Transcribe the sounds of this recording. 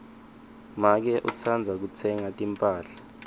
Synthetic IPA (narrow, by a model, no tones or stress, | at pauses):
mak̬ɛʔut͡sʰand͡zʱak̬ut͡sʰɛŋatʼimpʼaːɬḁ